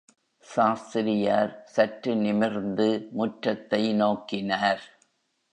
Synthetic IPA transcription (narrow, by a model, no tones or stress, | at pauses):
saːst̪ɪɾɪjaːɾsɐʈɾɯnɪmɪɾnd̪ɯmʊʈːɐt̪ːɐɪnoːkɪnaːɾ